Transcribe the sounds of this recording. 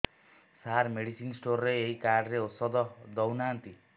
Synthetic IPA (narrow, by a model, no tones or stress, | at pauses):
saɾmeɽisinsʈorːeeikaɖreosʌd̪ʌd̪ʌwnant̪i